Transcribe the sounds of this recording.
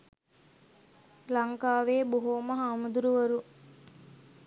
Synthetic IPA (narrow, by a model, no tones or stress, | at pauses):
lɐŋkaːʋeːboɦoːmɐɦaːmud̪uɾuʋɐɾu